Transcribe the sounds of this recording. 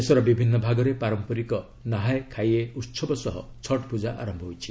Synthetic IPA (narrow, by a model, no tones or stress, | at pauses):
esɔɾɔbibʱinːɔbʱaɡɔɾepaɾɔmpɔɾikɔ | naɦajkʰajeut̪sʰɔbɔsɔɦɔ̰t͡ʃʰɔʈpud͡ʒaʔa̰ɾɔmbʱɔɦojt͡ʃʰi̥